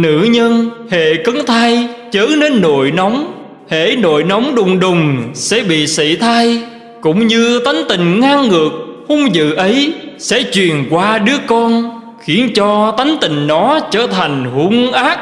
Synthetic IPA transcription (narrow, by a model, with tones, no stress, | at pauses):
nɨ̰˧˩˥ɲə˧nhḛ˧˨kə˨˦ŋt̪ʰaː˧jt͡ɕəː˨˦ne˧nːo̰˧˨jnɔ˨˦wŋ͡m | hḛ˧˩˨no̰˧˨jna˨˦wŋ͡mɗʊ˨˩ŋ͡mɗʊ˨˩ŋ͡msɛ̰˧˥ɓḭ˧˨sḭ˧˨t̪ʰa˧j | kʊ̰˧˥ŋ͡mɲɨ˧t̪a˨˦jŋ̟t̪ï˨˩ŋ̟ŋaː˧ŋːɨ˨˩ək̚hʊ˧ŋ͡mzɨ̰˧˨ʔə˨˦jsɛ̰˧˥t͡ɕwi˨˩ənkwaː˧ɗɨ˨˦˥əkɔ˧n | xi˨˦ənt͡ɕɔ˧t̪a˨˦jŋ̟t̪ï˨˩ŋ̟nɔ˨˦t͡ɕəː˧˩t̪ʰa˨˩ŋ̟hu˧˦ŋʔaː˦˥k̚